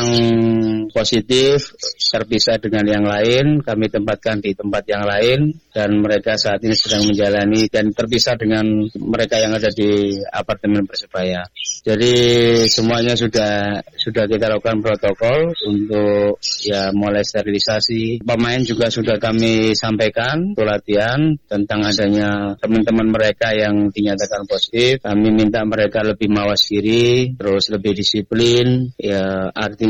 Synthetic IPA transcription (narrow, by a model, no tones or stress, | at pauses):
aŋ | posit̪ɪft̪ərpisadəŋanjaŋlaɪnkamit̪əmpat̪̚kandit̪əmpat̪̚jaŋlaɪndanməɾekasaːt̪inisədaŋməɲd͡ʒalanidant̪ərpisadəŋanməɾekajaŋadadia̰part̪əmɛnbərsəbajad͡ʒadisəmuaɲas̬udahsudahkit̪alakukanpɾot̪okɔlunt̪ʊk̚jamolɛst̪eɾilisasipəmaɪnd͡ʒuɡasudahkamisampajkant̪ulat̪iant̪ənt̪aŋadaɲat̪əmant̪əmanməɾekajaŋdiɲat̪akanposi̥t̪ɪfkamimint̪aʔməɾekaləbɪhmawasədiɾit̪əɾʊsləbɪhdisiplɪnjaart̪i